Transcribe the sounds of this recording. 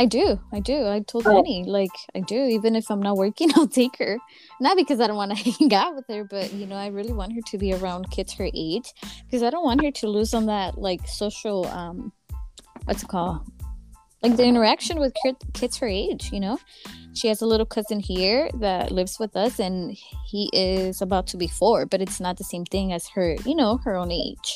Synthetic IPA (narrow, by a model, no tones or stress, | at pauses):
aɪdʉaɪdʉaɪtʰoʊlˠdɛnilaɪkaɪdʉivɨ̃nɨfãɪ̃mnət̚wɜ˞kɪ̃ŋ̃ntʰeɪkʰə˞ | nət̚b̥ɨkʰʌzaɪɾõʊ̃nʔwɑ̃nɨɪ̃ŋɡɑt̚wəð̥ə˞b̥ʌʔ̚jɨnoʊaɪɹɪlˠiwɑ̃nt̚ɦə˞ɾɨbiə˞ãʊ̃nkʰɪtshə˞ʔeɪd̥ʒ̥kʰʌzaɪɾõʊ̃nʔwɑ̃nɦə˞ɾɨlʉzə̃n̩ðɨt̚laɪksoʊʃl̩ˠʌ̃m | wʔʌ̰tsɨkʰɔlˠ | laɪk̚ðiɪ̃ɾ̃ə˞ækʃɨ̃nwɨð̥kʰəkʰɪtshə˞eɪd̥ʒ̥jɨnoʊʃiɨzəlɪɾl̩ˠkʰʌzɨ̃nhiɹðɨʔlɪvz̥wɨðʌsɨ̃nhiʔɪzəbaʊtʰəbifɔɹb̥ʌɾɨtsnət̪̚ðɨsẽɪ̃mθɪ̃ŋɨz̥ə˞jɨnoʊə˞õʊ̃neɪd̥ʒ̥